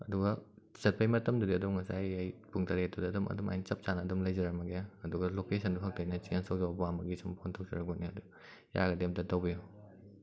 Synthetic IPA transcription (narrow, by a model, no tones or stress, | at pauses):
ɐduɡɐ | sɐt̚pʰɐjmɐtɐmdudiɐdumŋɐsajajpuŋtʰɐɾetudiɐdumʔɐ̰duma̰jnt͡ʃɐp̚t͡ʃanɐːdumlɐjd͡ʒɐɾɐk̚mɐɡaɐduɡɐlokesʰɐnduɦɐk̚tʰɐjnɐt͡ʃiensʰowzɐwabuamɐɡisʰɐmpʰontʰok̚zɐɾɐkboniɐdu | ja̰ɡɐdep̚tɐtɐwbiju